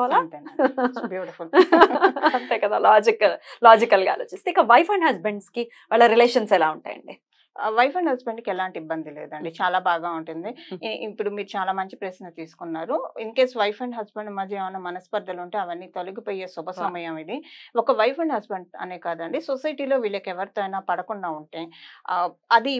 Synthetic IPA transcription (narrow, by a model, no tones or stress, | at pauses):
lnt̪ebjuːʈipul | ɐɳt̪ɛːkɐd̪aːlaːd͡ʒiklaːd͡ʒikɐlɡa̰ːloːt͡ʃist̪eikːɐʋɐjpɐɳɖɦɐzbeɳɖski | ʋaːɭːɐɾileːʂɐnsɛlaːuɳʈaːjɐ̰ɳɖi | ʋɐjpʰɐɳɖɦɐzbeɳɖkiɛlaːɳʈiibːɐnd̪ilḛːd̪ɐɳɖit͡ʃaːlaːbaːɡaːuɳʈund̪iipːuɽumiːɾut͡ʃaːlaːmɐɲt͡ʃi̥pɾesnɐt̪iːsu̥kunːaːɾuinukeːsʋɐjpʰɐɳɖɦɐzbeɳɖmɐd͡ʒɐʋɐnɐmɐnɐspɐɾd̪ʱɐluɳʈeːɐʋɐnːiːt̪ɐluɡipoːjeːsubʱɐsɐmɐjɐmid̪iɔkɐʋɐjpʰɐɳɖɦɐzbeɳɖɐ̰neːkaːd̪ɐɳɖisosɐjʈiːlo̞ːʋiːɭɐkɛʋɐɾt̪oːɐjnaːpɐɽɐkuɳɖaːuɳʈeː | ɐd̪i